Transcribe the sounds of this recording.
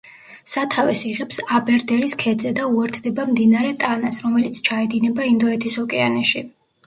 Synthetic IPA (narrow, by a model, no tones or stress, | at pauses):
sat̪ʰavɛsiʁɛpsabɛɾd̪ɛɾiskʰɛd̪zɛd̪auɛɾt̪ʰd̪ɛbamd̪inaɾɛt̪ʼanasɾɔmɛlit̪sʰt͡ʃʰaɛd̪inɛbaind̪ɔɛt̪ʰisɔkʼɛanɛʃi